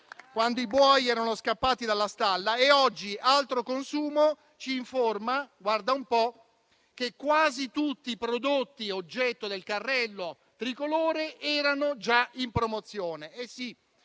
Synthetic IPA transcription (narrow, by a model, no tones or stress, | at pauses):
kwand̪oibwɔjɛːɾanoskapːaːt̪id̪alːast̪alːaeɔd͡ʒːiʔalt̪ɾokonsuːmo | t͡ʃiːɱformaɡward̪aumpɔ | k̟ekːwaːzit̪ut̪ːiːpɾod̪ot̪ːiod͡ʒːɛt̪ːod̪elkarːɛlːo | t̪ɾikoloːɾeɛːɾanod͡ʒaimpɾomot̪sːjoːneɛsːi